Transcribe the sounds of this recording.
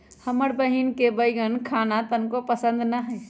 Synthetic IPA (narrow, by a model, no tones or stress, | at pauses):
həməɾbəɦinkebəjɡənkʰanat̪ənkopəsə̃nd̪nəɦəj